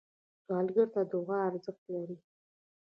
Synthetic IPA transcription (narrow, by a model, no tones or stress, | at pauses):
d̪̥walɡəɾt̪ad̪oɣaːɾzəχt̪laɾi